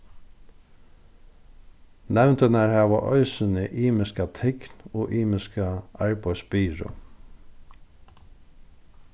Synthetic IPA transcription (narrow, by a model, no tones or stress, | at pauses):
næʉnt̪ənæɹhɑːʋə̰ʔœ̰ʏsənəʔiːməskɑt̪ʰɪknoːʔiːməskəɑɹbœʏsbiːɾʊ̰